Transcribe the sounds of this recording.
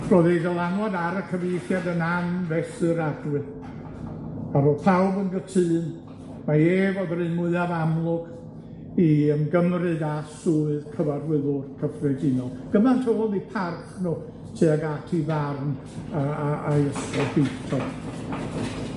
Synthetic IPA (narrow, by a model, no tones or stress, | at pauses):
roðidəlˠaŋɔdaɾəkʰəvejθjadənanvɛsɨɾadwɨ | avoːpʰawbənɡətʰɨːn | maeːvodərɨnmʊɨavamlˠʊɡ̥ | iəmɡəmrɨðasuːɨðkʰəvarwɪðʊrkʰəfrɛɡɪnɔlˠɡ̥əmantʰolˠnipʰarkʰnuː | tʰiaɡatʰivarn | aaajəstɔhetʰɔ